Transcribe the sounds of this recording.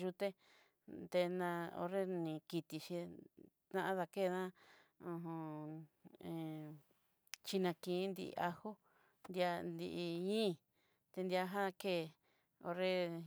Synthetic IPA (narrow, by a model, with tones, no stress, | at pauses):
ʒu˧t̪e˦ | t̪e˧nã˧o̰˧ɾe˦nĩ˨ki˧t̪i˧ʃĩ˧t̪ã˧ã˦ða˧ke˦˨˧nã˦ũ˧ɦõ˧ | ẽ˨ | t͡ʃi˧nã˧kĩ˨˦nd̪ḭ˧ʔʔa˧hu˦ | nd̪ja˧nd̪i˧ʔi˧ɲĩː˦˨ | t̪e˧nd̪i˧a˧ɦã˦˧ke˦˨ | o˧ɾe˦